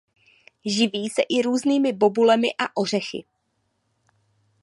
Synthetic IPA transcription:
ʒɪviːsɛʔɪɾuːzniːmɪbo̞bulɛmɪʔaʔo̞r̝ɛxɪ̰

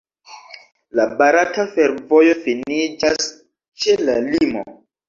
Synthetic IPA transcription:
labaɾatafeɾvo̞jo̞finid͡ʒas | t͡ʃe̞lalimo̰

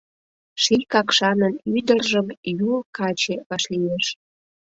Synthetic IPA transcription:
ʃikɑkʃɑnənyd̪ərʒəmjulkɑt͡ɕeβɑʃlijeʃ

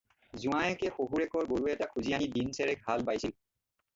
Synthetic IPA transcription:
zũajɛkɛxoɦuɹɛkɔɹɡoɹuɛtakʰuzianidinsɛɹɛkhalbajsil

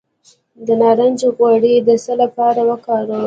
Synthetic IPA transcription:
d̪ənɑɾand͡ʒeɣwaɽid̪əsəlapɑɾawəkɑɾə

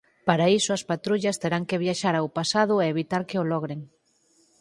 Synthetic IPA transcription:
paɾaisʊɐspat̪ɾuʎɐst̪eɾaŋkeβ̞jaʃaɾawpasað̞ʊeːβit̪aɾkeolɔɣ̞ɾeŋ

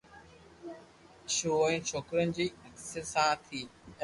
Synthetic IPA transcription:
ʃoːə̃ĩːt͡ʃʰoːkɾənɪ̆d͡ʑiːəksəɾsãt̪ʰiː

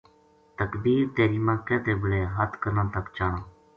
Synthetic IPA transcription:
t̪əkd̪iːɾt̪eːɾiːmãːkɛ̃ːt̪eːbəɽeːɦət̪kəɾnãːt̪əkt͡ʃaːɳãː

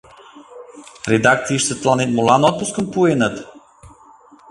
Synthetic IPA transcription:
ɾɛd̪akt̪siiʃt̪sət̪lˠanit̪molˠanɔt̪̚puskəmpuɛnət̪

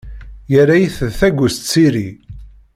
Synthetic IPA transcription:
jəɾːajiθəðθæɡʷəst̪t͡sːiɾi

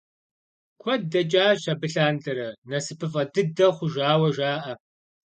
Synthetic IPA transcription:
kʷʰɔd̚dɐt͡ʃʼaːɕɐbɨɬaːndʼɐɾɐnɐsɨpʰɨfʼɐdɨdɐχʷʊʒaːwɐʒaːʔɐ

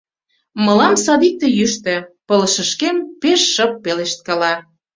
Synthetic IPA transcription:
mɤ̆lɑmsɑd̪ik̚t̪ĕjyʃt̪ĕpɤləʃəʃkempeʃːɤpːeleʃt̪̚kɑlɑ

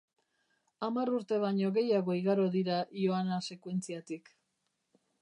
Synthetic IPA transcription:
amaruɾt̪e̞β̞aɲo̞ɣe̞jaɣo̞iɣaɾo̞ðiɾajo̞anase̞kwe̞nt͡siat̪ik

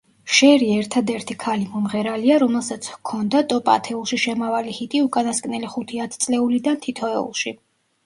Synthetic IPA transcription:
ʃɛɾiɛɾt̪ʰad̪ɛɾt̪ʰikʰalimɔmʁɛɾaliaɾɔmɛlˠsat̪sʰkʰɔnd̪at̪ʼɔpʼa̰t̪ʰɛulˠʃiʃɛmavalihit̪ʼiukʼanaskʼnɛliχut̪ʰiat̪ʰt̪sʼlɛulid̪ant̪ʰit̪ʰɔɛṵlˠʃi

